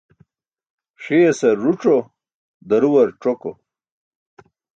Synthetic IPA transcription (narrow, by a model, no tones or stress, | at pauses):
ʂiesɐːuʈ͡ʂo | d̪ɐɾuwɐɾʈ͡ʂoko